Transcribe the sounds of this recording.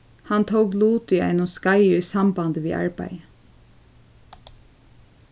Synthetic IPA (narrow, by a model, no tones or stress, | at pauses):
hɑnt̪ʰoʊɡluːt̪ʏæ̰ɪnoskɑɪʉːsɑmbɑnd̪əʋḭːʔɑ̰ɹbæ̰ɪ